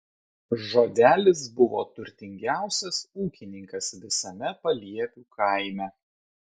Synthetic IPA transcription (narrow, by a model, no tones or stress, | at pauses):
ʒoːd̪ʲæːlʲɪs̬bʊʋo̰ːt̪ʊɾʲt̪ʲɪŋʲɡʲæˑʊsʲɛsuːkʲɪnʲɪŋkɐsʋʲɪsɐmʲɛpɐlʲiɛpʲuːkʰɐˑɪmʲɛ